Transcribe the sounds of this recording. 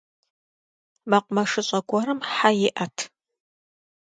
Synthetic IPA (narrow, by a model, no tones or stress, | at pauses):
mɐqʷʊmɐʂɨɕʼɐɡʷɔɾɨmħajɪʔɐtʰ